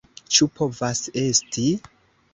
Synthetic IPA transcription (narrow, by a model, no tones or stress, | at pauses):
t͡ʃupʰo̞vase̞sti